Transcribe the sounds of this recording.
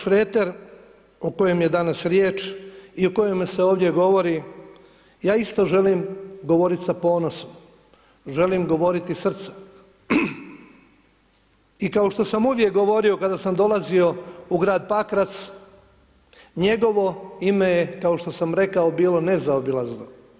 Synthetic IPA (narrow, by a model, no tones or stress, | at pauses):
ʃɾet̪eɾ | oko̞jemje̞d̪anasɾjeːt͡ʃioko̞jemːse̞oːʋd̪je̞ɡo̞ʋo̞ɾi | jaːist̪o̞ʒe̞liːmɡo̞ʋo̞ɾit̪sapo̞ːnosom | ʒe̞limɡo̞ʋo̞ɾit̪isr̩t̪sḁ | ikao̞ʃt̪o̞samuʋje̞k̚ɡo̞ʋo̞ɾio̞kad̪asamd̪o̞lˠazio̞uɡɾaːd̪̚pakɾat̪s | ɲe̞ɡo̞ʋo̞ime̞jekao̞ʃt̪o̞samɾe̞kao̞biːlˠo̞ne̞zaobilˠazno